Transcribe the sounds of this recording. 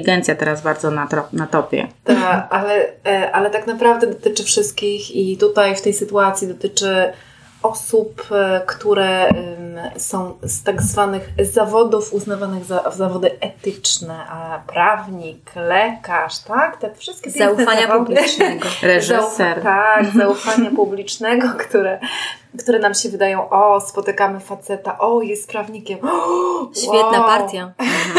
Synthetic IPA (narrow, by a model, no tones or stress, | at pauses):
iɡɛnt̪sʲjat̪ɛɾazbaɾd̪zɔnaɔnat̪ɔpʲjɛ̰t̪aʔalɛʔalɛt̪aknapɾavd̪ɛd̪ɔt̪ɘt͡ʂɘfʂɘst̪̚kʲixit̪ut̪ajft̪ɛjsɘt̪uat̪sʲjid̪ɔt̪ɘt͡ʂɘ | ɔsupkt̪uɾɛ | sɔ̃w̃st̪aɡzvanɘxzavɔd̪ufuznavanɘɣzazavɔd̪ɘɛt̪ɘt͡ʂnɛpɾavɲiklɛkaʂt̪akt̪ɛfʂɘst̪̚kʲɛjɛaufaɲɲavublinɛɡɔɾɛzausfɛɾt̪aɡzaufaɲapublʲit͡ʂnɛɡɔkt̪uɾɛ | kt̪uɾɛnamɕɛvɘd̪ajɔ̃w̃ʔɔspɔt̪ɘkamɘfat̪sɛt̪aʔɔjɛst̪̚pɾavɲikʲɛm | wɕfʲjɛt̪napaɾt̪ʲja